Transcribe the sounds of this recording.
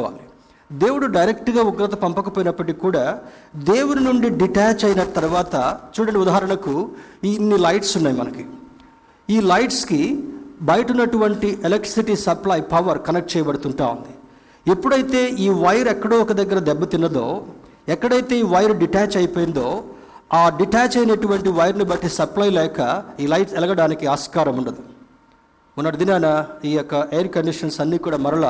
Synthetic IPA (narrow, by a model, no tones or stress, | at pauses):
ʋa̰ːli | d̪e̞ːwuɽuɖɐjɾek̚ʈɡaːuɡɾɐt̪ɐpɐmpɐkɐpoːjinɐpːɐʈikkːuːɽaːd̪e̞ːwuninuɳɖiɖiʈaːt͡ʃɐjnɐt̪ɐɾuʋaːt̪ɐt͡ʃuːɽɐɳiud̪aːɦɐɾɐɳɐkuinːilɐjʈsunːaːjimɐnɐki | iːlɐjʈskibɐjɐʈunːɐʈuʋɐɳʈiʔelɐk̚ʈɾi̥siʈisɐplaːjpɐʋɐɾkɐnɐk̚ʈ̚t͡ʃɛːjɐbɐɽut̪uɳʈaːund̪i | epːuɽɐjt̪e̞ːiːʋɐjɐɾɛkːɐɽoːɔkɐd̪ɐɡːɐɾɐd̪ɛbːɐt̪inːɐd̪o̞ː | ɛkːɐɽɐjt̪e̞ːiːʋɐjɐɾɖiʈaːt͡ʃɐjpoːjind̪o̞ː | aːɖiʈaːt͡ʃɐjnɐʈuʋɐɳʈiʋɐjɐɾnibɐʈːisɐplaːjlɛːkɐiːlɐjʈsɛlɐɡɐɽaːnikiaːskaːɾɐmuɳɖɐd̪i | unːɐɽid̪inɐːnɐiːjɔkːɐʔejɐɾkɐɳɖiʂɐnsɐnːiːkuːɽaːmɐɾɐɭɐ